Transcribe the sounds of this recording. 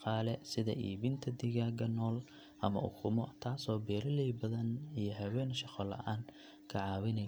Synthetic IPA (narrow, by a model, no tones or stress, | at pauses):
qɑːlɛsɪðɐ̰ʔiːβɪnt̪ʰɐd̪ɪɣaːɡɐnɔːl | ʔɐmɐ̰ʔʊ̰kʰʊmɔt̪ʰaːsɔːbɛːɾɪlɛjbɐðɐnijɞɦɐwɛːnʃɑqɔlɐ̰ʔaːn | kʰɐʕɑːwɪnɛ